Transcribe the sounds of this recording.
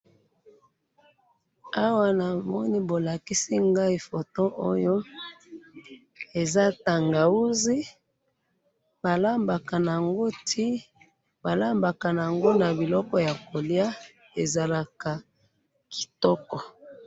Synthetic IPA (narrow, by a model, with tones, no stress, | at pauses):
a˦wa˦na˨mɔ˦ni˦bo˨la˨ki˦si˦ŋɡa˦i˦fo˨to˦ʔo˦jo˦ | e˨za˦ta˨ŋɡa˨u˦zi˦ | ba˨la˦mba˨ka˨na˨a˨ŋɡo˦tʰi˦ | ba˨la˦mba˨ka˨n˨a˨ŋɡo˦na˨bi˨lɔ˦kɔ˦ja˨ko˨lja˦ | e˨za˨la˨ka˨ | ki̥˨tɔ˦kɔ˨